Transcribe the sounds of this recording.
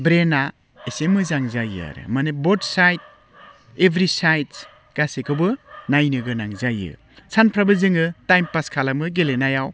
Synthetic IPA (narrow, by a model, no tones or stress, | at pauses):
bɾena | esemɯzaŋzajɯ̰a̰ɾɯ̰manebɔdsajt̚ | ebʱɾisajt | ɡ̥asekʰɯbɯnajnɯɡɯnaŋzajɯ̰ | sʰanpʰɾabɯzɯŋɯtajmpaskʰalamɯɡelenajaw